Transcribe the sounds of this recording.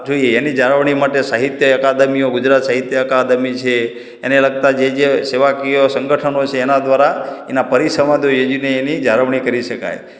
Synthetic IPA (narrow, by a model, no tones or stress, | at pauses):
d͡ʒoijeːnid͡ʒaɾəʋɳ̃imaʈesaɦit̪jəəkad̪əmijoɡʊd͡ʒɾat̪saɦit̪jəːkad̪əmit͡ʃʰeː | neləɡ̚t̪ad͡ʒed͡ʒeseʋakiosə̃ŋɡəʈʰənot͡ʃʰeːnad̪ʋaɾaenapəɾisəmãd̪ojed͡ʒineːnid͡ʒaɾəʋɳ̃ikəɾiʃəka̰j